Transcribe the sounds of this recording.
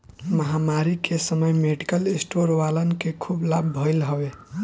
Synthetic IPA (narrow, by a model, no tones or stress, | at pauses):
məɦamaɾikʰesəməjmeɖikəlesʈoɾʋalənkekʰublabʱəɪlɦəbe